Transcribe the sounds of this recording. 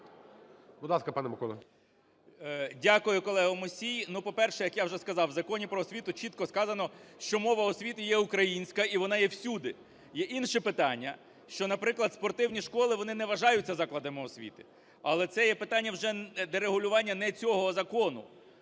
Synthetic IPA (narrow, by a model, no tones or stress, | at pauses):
bʊd̪lˠɑskɐpɑnɛmɐkɔlˠɐ̰ | dʲakʊjʊkɔlˠɛɦʊmɔsʲijnupɔpɛrʃɛjɐkjawʒɛskɐzɑwzɐkɔnʲipɾɔɔsʲʋʲit̪ʊt͡ʃit̪̚kɔskɑzɐnɔʃt͡ʃɔmɔʋɐɔsʲʋʲit̪ɪjɛʊkɾɐjinʲsʲkɐiʋɔnɑjɛwsʲud̪ɪ | jɛʔinʃɛpɪt̪ɑnʲːɐ | ʃt͡ʃɔnɐpɾɪklˠɐd̪spɔrt̪ɪwnʲiʃkɔlˠɪʋɔnɪnɛʋɐʒɑjʊt͡sʲːɐzɑklˠɐd̪ɐmɪɔsʲʋʲḭt̪ɪ̥ | ɐlˠɛt̪sɛjɛpɪt̪ɑnʲːɐwʒɛd̪ɛɾeɦʊlʲʊʋɑnʲːɐnɛt͡sʲɔɦɔzɐkɔnʊ